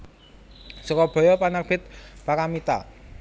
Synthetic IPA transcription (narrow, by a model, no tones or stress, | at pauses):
sɔkɔb̥ɔ̤jɔpanak̚b̥ɪt̪̚pakamit̪a̰